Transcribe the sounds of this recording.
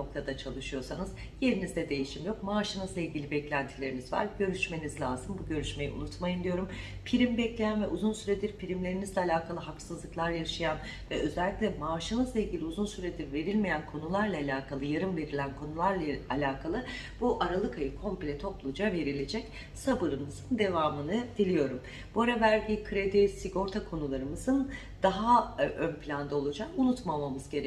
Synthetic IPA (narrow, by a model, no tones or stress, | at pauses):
no̞k̚t̪ʰad̪at͡ʃʰalˠɯʃɯjo̞ɾsanɯz̥ | je̞ɾinizd̪ɛd̪e̞jiʃimjo̞k̚maːʃɯnɯzlˠailʲɟilʲibɛclʲænt̪ʰilʲe̞ɾinizva̰ɾɟø̞ɾyʃme̞nizlʲaːzɯmbuɟø̞ɾyʃme̞jiʔṵnut̪majɯnd̪ijo̞ɾumpʰiɾimbɛclʲe̞jænvɛʔuzunsyɾed̪iɾpʰiɾimlʲe̞ɾinizlʲɛalʲaːkʰalˠɯɦaksɯzlˠɯklˠaɾaɾɯʃajan | vɛʔø̞zælʲːicʲlʲɛmaːʃɯmɯzlˠailʲɟʲilʲiuzunsyɾed̪iɾve̞ɾilʲmejænkʰo̞nulˠaɾlˠaːlʲaːkʰalˠɯjaɾɯmve̞ɾilʲænkʰo̞nulˠaɾlˠaalʲaːkʰalˠɯ | b̥uʔaɾalˠɯkʰajɯkʰo̞mpilʲɛt̪ʰo̞plˠud͡ʒave̞ɾilʲed͡ʒɛc | sabɯɾɯmɯz̥ɯnd̪e̞vaːmɯnɯd̪̥ilʲijo̞ɾum | b̥uaɾavæɾɟikʰɯɾed̪isiɡo̞ɾt̪ʰakʰo̞nulˠaɾɯmɯzɯn | d̪̥aɦaʔønpilʲand̪aolˠud͡ʒakunut̪mamamɯzɡɟeɾ